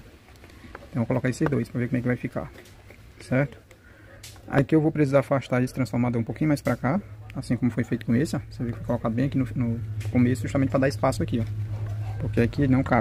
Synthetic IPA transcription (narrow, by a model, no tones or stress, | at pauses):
ẽt̪ɐ̃kolɔkaised̪ojspɾɐvekõmɛkɪvajfika̰ | sɛɾt̪ʊ̥ | a̰kɪewvowpɾesizaɾfaʃt̪aisɪ̥t̪ɾɐ̃sfɔɾmad̪ɐũpowkĩɲʊmajspɾakaasĩkõmʊfojfejt̪ʊ̥kõesɪasevekɪfojkolɔkad̪ʊbẽakinʊnʊkomesʊʒust̪ɐmẽt̪ɪpɾad̪aɾɪspasʊakiɔpoɾkeakinɐ̃w̃ka